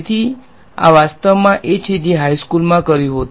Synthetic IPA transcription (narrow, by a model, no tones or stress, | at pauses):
t̪ʰi | a̰ʋast̪əʋmãʔet͡ʃʰed͡ʒeɦajskulmãkəɾjũɦot̪